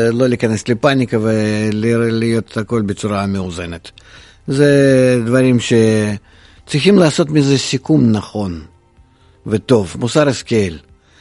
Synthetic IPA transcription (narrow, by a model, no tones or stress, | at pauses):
lˠo̞lʲɪkanɛslʲɪpanʲɪkɐvɛlʲɪlɪjo̞t̪ako̞lʲbɪtsʊɾaːmʲeuzenet̪ | zɛd̪vaɾʲimʃe | t̪sixʲimlaːso̞t̪mʲɪzɛsʲikumnaχo̞n | vət̪o̞vmusaɾɪskʲelʲ